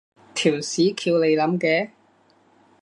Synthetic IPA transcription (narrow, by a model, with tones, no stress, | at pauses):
t̪ʰiː˨˩wsiː˨˥kʰiː˧wle˨˧jlɐ˨˥mkɛː˨˧